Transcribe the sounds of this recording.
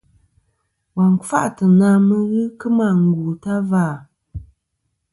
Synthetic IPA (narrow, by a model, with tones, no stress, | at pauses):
wa˨ŋ˨fa̰˦ʔtɨ˨na˦mɨ˦ɣɨ˦kɨ˦ma˨ŋ̩˨ɡu˨ta˦vaː˦˨